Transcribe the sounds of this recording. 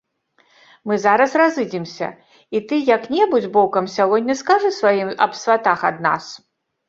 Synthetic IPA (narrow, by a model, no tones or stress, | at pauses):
mɨzaɾɐsrazɨd͡zʲimsʲɐ̰ | it̪ɨjɐknʲɛbud͡zʲbɔkɐmsʲaɣɔdʲːɐskaʐɨsvajimɐ̰psvʲat̪axɐd̪na̰s